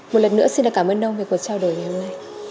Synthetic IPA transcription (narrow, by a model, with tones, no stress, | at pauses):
mo˨˩t̚lə˨˩nɨ̰˧˥əsi˧nɗɨ̰ː˨˩kaː˧˩mʔəː˧nɗə˧wŋ͡mmvi˨˩k̚vu˨˩t̚t͡ɕaː˧wɗo˨˩˦jŋa˨˩jho˧mna˧j